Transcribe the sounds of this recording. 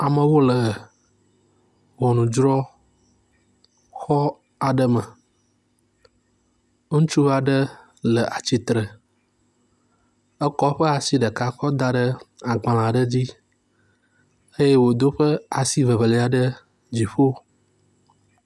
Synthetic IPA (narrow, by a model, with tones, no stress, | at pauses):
a˨mə̃˨wo˦lə˨ | wɔ˨nũ˨d͡ʒɾɔ˦ | xɔ˦ | a˨ɖə˦mə˨ | ŋũ˦t͡ʃu˦va˨ɖə˦ | lə˨ʔa˨t͡ɕi˨t̪ɾə˨ | ə˦kɔ˦ɸə˦a˨si˦ɖə˨ka˦kɔ˦d̪a˦ɖə˦a˨ɡ͡bã˨lã˨ɖə˦d͡ʑi˦ | ə˦je˦wo˨d̪o˦ɸə˦a˨si˦və˨βə˨le˨a˨ɖə˦ | d͡ʑi˨ɸo˦